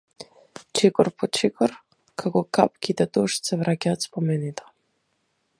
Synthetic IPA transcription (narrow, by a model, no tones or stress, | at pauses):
t͡ʃʰikʼɔrpʰɔt͡ʃikʰʼɔr | kʰakɔkʰap̚kʲʰid̪at̪oʃsɛvɾakʲaːt̪spɔmɛnit̪ɔ̥